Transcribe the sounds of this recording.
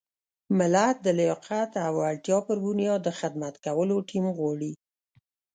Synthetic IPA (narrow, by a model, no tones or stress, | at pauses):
mɪlat̪̚d̪əlɪjɑqat̪awalt̪jɑpəɾbunjɑd̪əxɪd̪mat̪kawəloʈʰimɣwɑɽi